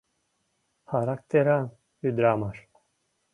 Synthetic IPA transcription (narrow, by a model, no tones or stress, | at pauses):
haɾak̚t̪eɾan | yd̪ɾamaɾ